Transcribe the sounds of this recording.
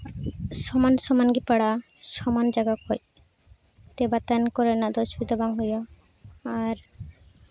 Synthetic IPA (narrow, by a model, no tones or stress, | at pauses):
sɔmansɔmanɡipaɽasɔmand͡ʒaɡakɔj | t̪ebat̪ankɔɾenad̪ɔʃɔbid̪abaŋɦujɔ | aɾ